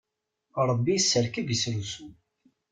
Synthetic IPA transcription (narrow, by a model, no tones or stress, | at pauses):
ɾˤəbːisːəɾkəɡsɾusu